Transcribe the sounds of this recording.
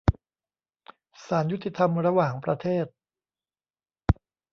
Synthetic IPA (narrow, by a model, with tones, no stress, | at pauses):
saː˩˦nju˥t̪ʰːi˧t̪ʰa˧mɾa˧waː˨˩ŋpɾa˧t̪ʰeː˥˩t̪̚